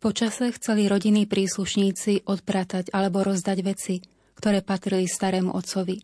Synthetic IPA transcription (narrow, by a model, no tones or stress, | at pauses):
pɔt͡ʃasɛxt͡sɛliɾɔɟinːiːpɾiːsluʃɲiːt͡siʔɔt̪pɾaːt̪aɟalɛbɔɾɔzd̪aɟʋɛt͡si | kt̪ɔɾɛːpat̪ɾilist̪aɾɛːmṵʔɔt̪t͡sɔʋi